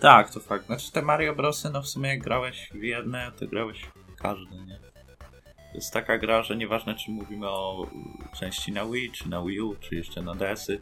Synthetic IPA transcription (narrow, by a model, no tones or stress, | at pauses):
t̪ak̚t̪ɔfak̚t̪naʈ͡ʂɨ̥t̪ɛmaɾjɔbɾɔsɨnɔfsumʲɛjaɡ̚ɡɾawɛɕvʲjɛd̪nɛt̪ɔ̰ɡɾawɛɕ | kʰaʐd̪ɘɲɛ | jɛ̰st̪ːakaɡɾaʐɛɲɛvaʐnat͡ʂɘmːuvʲimɘɔt͡ʂɛ̃w̃ɕt͡ɕinawit͡ʂɘnawiut͡ʂɨjɛʂt͡ʂɛnad̪ɛsɘ